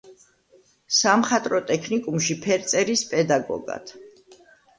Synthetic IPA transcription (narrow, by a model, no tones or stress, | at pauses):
samχat̪ʼɾɔt̪ʼɛkʰnikʼumʃipʰɛɾt̪sʼɛɾispʼɛd̪aɡɔ̰ɡa̰t̪ʰ